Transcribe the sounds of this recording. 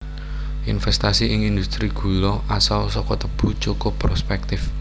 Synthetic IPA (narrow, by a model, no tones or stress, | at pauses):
ʔinfɛst̪asiɪŋind̪ust̪ɾiɡ̥ṳlɔʔasalsɔkɔt̪əb̥ṳ̥t͡ʃokʊpːɾospɛk̚t̪ɪf